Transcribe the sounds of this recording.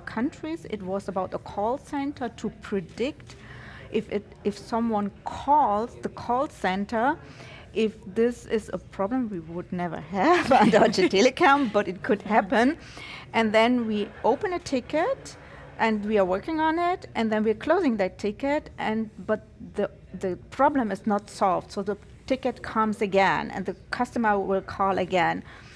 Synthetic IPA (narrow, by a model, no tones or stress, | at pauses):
kʰʌ̃ntɹ̥izɪ̰t̚wʌzəbaʊt̪̚ðəkʰɔlˠsɛ̃ntʰə˞tʰupʰɹ̥ɨdɪktʔɪfɪt | ɪfsʌ̃mwʌ̃nkʰɔlˠzðəkʰɔlˠsɛ̃ntʰə˞ | ʔɪfðɪsɪzə̰pʰɹ̥ɑblə̃mwiwʊdⁿnɛvə̰˞ɨvə̃ndɑd͡ʒətʰɛlɨkʰɔ̃mb̥ʌɾɨt̚kʰʊd̚hæpə̃n | ʔɨ̃nðɛ̃nwiʔoʊpə̃nɨtʰɪkɨt | ʔɨ̃nwiə˞wɜ˞kɪ̃ŋə̃nɪtʔɨ̃nðɛ̃nwiə˞kʰl̥oʊzɪ̃ŋðɨtʰːɪkɨtʔɨ̃nb̥ʌt̪̚ðə | ðɨpʰɹ̥ɑblə̃mɨznətsɔlˠvd̥soʊðə | tʰɪkɨt̚kʰʌ̃mzɨɡɛ̰̃nɨ̰̃nðɨkʰʌstəmə˞wɪlˠkʰɔlˠɨɡɛ̃n